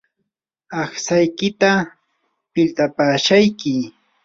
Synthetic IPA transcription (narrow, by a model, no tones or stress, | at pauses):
ɑχsajkɪt̪a | pɪlt̪apaːʃajkɪ